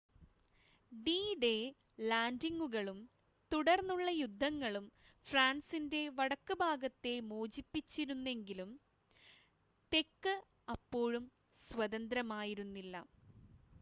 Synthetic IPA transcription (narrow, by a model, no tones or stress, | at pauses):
ɖiːɖe | laːndiŋɡuɣɐɭum | t̪uɽɐrnːuɭːɐjud̪ʱːɐŋːɐɭum | fraːnsinde̞ʋɐɽɐkːɨbʱaːɡɐt̪ːe̞moːd͡ʑipːit͡ɕːiɾunːe̞ŋɡilum | t̪e̞kːɨ | ɐpːo̞ːɻum | sʋɐðɐnd̪ɾɐmaːjiɾunːilːɐ̰